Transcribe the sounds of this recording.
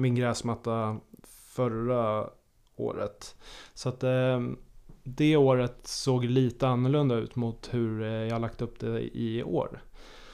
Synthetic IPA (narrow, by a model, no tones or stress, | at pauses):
mɪnɡɾɛːsmat̪ːa | fœɾa | o̰ːɾə̰t̪sat̪ | d̪ɛoːɾət̪soːɡliːt̪əanːɵɭɵnd̪aʉ̟ːt̪mʊt̪hɵɾjɑhalak̚t̪əɵpd̪ɛɪ̰o̰ːɾ